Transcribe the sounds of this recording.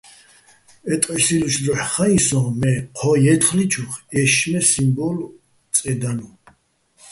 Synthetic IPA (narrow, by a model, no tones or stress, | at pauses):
ɛt̪ʼqʼɛsiluʃd̪ɔħχaĩsɔ̃mɛqʰɔjɛt̪χlit͡ʃʰuχɛʃmɛsimbɔl | t̪ʼɛd̪anu